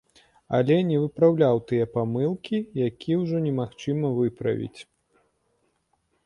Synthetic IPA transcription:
ɐ̰lʲɛnʲɛvɨpɾawlʲawt̪ɨjɛpamɨlˠkʲijakʲiwʐɔnʲɛmaxt͡ʂɨmɐvɨpɾɐ̰vʲḭt͡sʲ

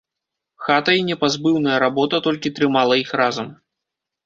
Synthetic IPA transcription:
xat̪ɐinʲɛpazbɨwnɐjɐɾabɔt̪ɐt̪ɔlʲkʲit̪ɾɨmalˠɐixrazɐm

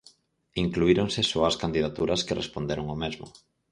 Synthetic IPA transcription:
iŋkluiɾoŋsesoɐskand̪iðat̪uɾɐskerʔespond̪eɾoŋomezmʊ̰

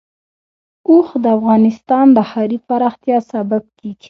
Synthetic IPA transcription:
oxd̪əafɣɑnɪst̪ɑnd̪əhaɾipaɾɑxt̪jɑsabab̚keɡ̥i̥

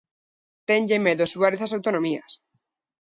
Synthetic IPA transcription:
t̪eɲʎemeðosuaɾeθasawt̪onõmia̰s

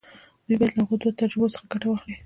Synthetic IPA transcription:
d̪̥ujbɑjad̪laɣod̪ot̪ad͡ʒɪbosə̥xaɡaʈawaxli

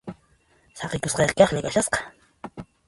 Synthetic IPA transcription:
sɑqɪkosqɑjqkɑχlɪkaʃasqɑ̥

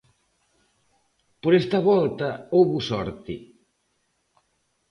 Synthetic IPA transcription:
poɾɛst̪ɐβɔlt̪ɐowβʊsɔɾt̪ɪ

